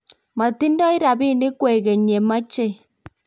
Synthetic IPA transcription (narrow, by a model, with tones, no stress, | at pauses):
ma˨ti˦ndɔ˦ɪ˦ɾa˨βi˦˨ne˦kwɛ˨ɣɛ˨ɲɛ˨ma˦t͡ʃe˦